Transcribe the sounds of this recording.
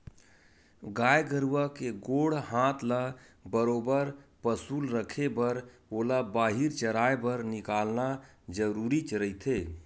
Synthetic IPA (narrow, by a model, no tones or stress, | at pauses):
ɡajɡəɾuakeɡoɽhãt̪ʰla | bəɾobəɾpəsulɾəkʰebəɾ | olabaɦiɾt͡ʃəɾaebəɾnikalna | d͡ʒəɾuɾit͡ʃɾəit̪ʰe